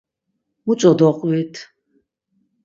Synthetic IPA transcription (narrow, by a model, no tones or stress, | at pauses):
mut͡sʼɔd̪ɔqʼvit̪ʰ